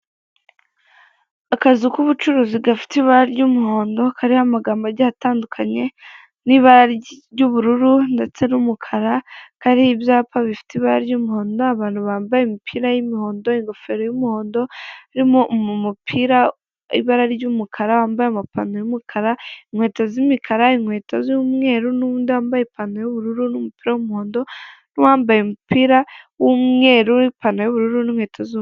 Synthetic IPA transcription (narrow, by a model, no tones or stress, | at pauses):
akazukuβut͡ʃuɾuziɡafi̥tiβaɾaɾɟumuho̞ːndo̞kʰaɾihamaɡaːmbaɾɟahataːndukʰaɲe̞ | niβaɾaɾɟuβuɾuɾunde̞t͡se̞numukʰaɾakaɾiːbjaːpaβifi̥tiβaɾaɾɟumuho̞ːndo̞aβaːn̥huβaːmbajemipʰiːɾajimiho̞ːndo̞iŋɡo̞fe̞ɾojumiho̞ːndo̞iɾimommupʰiɾa | ḭβaɾaɾijumukʰaɾawaːmbajeamapa̰nojumukʰaɾaiŋwe̞ːtazimikʰaɾaiŋwe̞ːtazumŋe̞ɾunuβuːndiwaːmbajepanojuβuɾuɾunumupi̥ːɾawumuhoːndo̞niwaːmbajemupiɾawumŋe̞ɾuipanojuβuɾuɾuniŋwe̞ːtʰazu